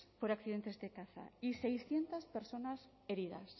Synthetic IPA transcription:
poɾakθiðent̪ezðekaθa̰isejsθje̞nt̪aspeɾso̞nas | eɾið̞a̰s

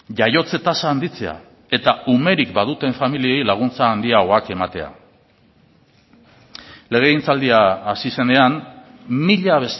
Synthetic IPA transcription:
ʝajo̞t͡se̞t̪asaːnd̪it͡se̞a̰ | e̞t̪aume̞ɾikbað̞ut̪e̞ɱfamilie̞jlaɣ̞unt͡saːnd̪iaɣo̞ake̞mat̪e̞̰a̰ | le̞ɣ̞e̞int͡sald̪iaːsise̞ne̞anmiʎaβe̞s

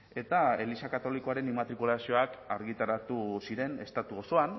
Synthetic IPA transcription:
e̞t̪ae̞lisakat̪o̞liko̞aɾe̞nimat̪ɾikulasio̞akaɾɣit̪aɾat̪usiɾe̞ne̞st̪at̪uo̞so̞an

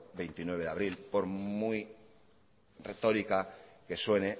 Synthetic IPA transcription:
be̞jnt̪inwe̞βeðaβ̞ɾilpo̞ɾmuj | ret̪o̞ɾikake̞swe̞ne

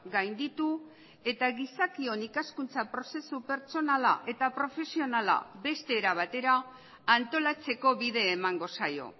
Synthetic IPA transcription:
ɡajnd̪it̪u | e̞t̪aɣisakio̞nikaskunt͡sapɾo̞se̞supe̞ɾt͡so̞nala̰ʔe̞t̪apɾo̞fe̞sio̞nala̰be̞st̪e̞ːɾaβ̞at̪e̞ɾaː | nt̪o̞lat͡se̞ko̞βiðe̞ːmaŋɡo̞sajo̞̰

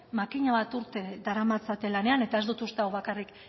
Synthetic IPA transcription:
makiɲaβat̪uɾt̪e̞d̪aɾamat͡sat̪e̞lane̞ane̞t̪ae̞zd̪ut̪ust̪eawβakarik

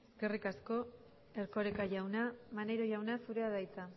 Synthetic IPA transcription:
sɡerikasko̞ | e̞ɾko̞ɾekaʝawnamane̞ɾo̞ʝawnasuɾe̞að̞ajt͡sa

